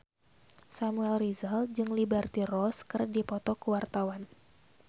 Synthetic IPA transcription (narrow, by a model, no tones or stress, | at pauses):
samuɛlrizald͡ʒɨŋlibɛrt̪irɔskɨrdipɔt̪ɔkəwart̪awan